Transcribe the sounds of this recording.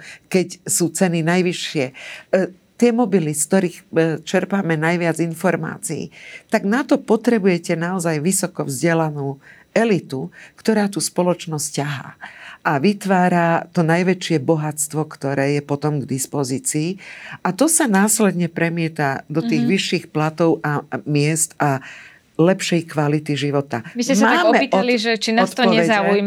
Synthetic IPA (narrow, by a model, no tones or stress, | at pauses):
kɛcsuːt͡sɛninajʋiʃːɪɛ | t̪ɪɛmɔbilisk̚t̪ɔɾiːxt͡ʃɛɾpamɛnajʋɪad͡zinfɔɾma̰ːt͡siḭt̪aɡnat̪ɔpɔt̪ɾɛbujɛcɛnaɔzajʋisɔkɔvzɟɪɛlanuː | ɛlit̪ukt̪ɔɾaːt̪uspɔlɔt͡ʃnɔscaɦa̰ːʔaʋit̪ʋaːɾat̪ɔnajʋɛt͡ʃɪɛbɔɦat͡st̪ʋɔkt̪ɔɾɛːjɛpɔt̪ɔmɡd̪ispɔziːt͡siːʔat̪ɔsanaːslɛd̪ɲɛpɾɛmɪɛt̪ad̪ɔt̪iːɣʋiʃːiːxplat̪ɔʊʔamɪɛst̪a | lɛpʃɛjkʋalit̪iʒiʋɔt̪amisɛmmaːmmɛiɔliʒɛt͡ʃinaɔst̪t̪ɔɔɲɛʋɛzauj